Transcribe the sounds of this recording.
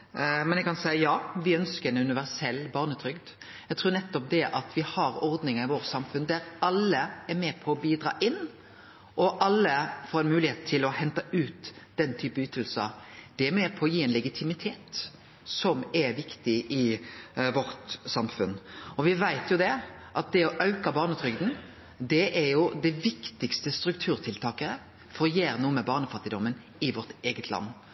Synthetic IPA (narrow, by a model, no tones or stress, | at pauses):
mɛnjɛɡkɑnsæɪjɑːʋɪœnskəɾɛnʉnɪʋæɾsɛlːbɑːʁnət̪ʰɾʏɡd̪ | jæɪt̪ʰʉːɾnɛt̪ːɔp̚d̪ɛʔɑt̪ʰʋɪhɑɾɔɾd̪nɪŋəɾɪʋoːɾsɑmfʉnd̪æɾɑlːəæɾmeːpʰɔːbiːd̪ɾɑ̰ːʔɪnː | ʔɔʔɑlːəfoːɾɛnmʉːlɪheːt̪̚t̪ʰːɪlɔhɛnt̪ɑʉːt̪d̪̥ɛnːt̪ʰyːpəyːt̪əlsə̰d̪̥ɛmɛːpʰɔːjiːɛɪnlɛɡɪt̪ʰɪmɪt̪ʰeːt̪ | sɔmɛɾʋɪkt̪ɪʔɪʋɔɾt̪sɑmfʉnɔʋɪʋæɪt̪jʊd̪ɛʔɑt̪̚d̪ɛɔʔɑʉkɑbɑːʁnət̪ʰɾʏɡd̪n̩ | d̪ɛʔɛɾjʊd̪æʋɪkt̪ɪkst̪əst̪ɾʉk̚t̪ʰʉːʁt̪ʰɪlt̪ʰɑːkəɾə | fɔʁjeːɾnuːəmɛbɑːʁnəfɑt̪ːɪd̪ɔmːən | ɪʋɔʁt̪eːɡət̪ʰlɑ̰nː